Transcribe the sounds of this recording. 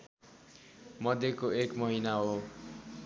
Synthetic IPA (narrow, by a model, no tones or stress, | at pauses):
mʌd̪ʱjekoekmʌɦinaɦo